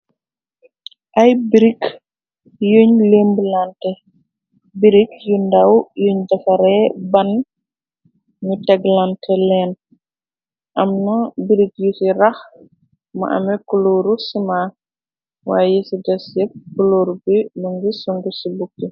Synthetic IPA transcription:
ʔɐjbiɾik | juɲleːmbəlantɛ | biɾikjundawjuɲdɐfɐɾɛbɐn | ɲutɛɡlantʰɛlɛn | ʔɐmnɐbiɾik̚jusiɾɐx | m̰ʔɐ̰mɛkuloːɾusima | waːjɛsidɐsjɛp̚kuloːɾubiluŋɡisuŋɡusibuk̚ti

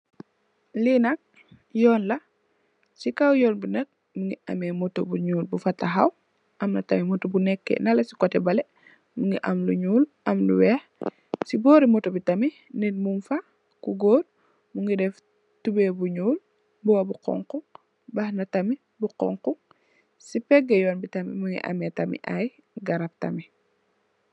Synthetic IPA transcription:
linɐk̚ | jɔːnlɐ | sikawjɔːnbunɐk̚ | muŋɡiʔɐmɛmɔtobuɲuːlbufɐtɐɦɐ̰w | ɐmnɐtɐmimɔtobunɛkːɛ̰nɐlɐsi̥kɔtɛbɐlɛ | muŋɡiʔɐmluɲuːl | ɐmlṵwɛːx | sibɔːɾimɔtobitɐmi | ninmumfa | kuɡoːd̚ | muŋɡidɛf | tubebuɲuːl | buwɐbuqɔ̰ŋqu | bɐhnɐtɐmi | buqɔ̰ŋquŋ | sipɛɡɐjɔːnbitɐmḭmuŋɡḭʔɐ̰metɐmḭʔa̰j | ɡɐɾɐp̚tɐ̰mi

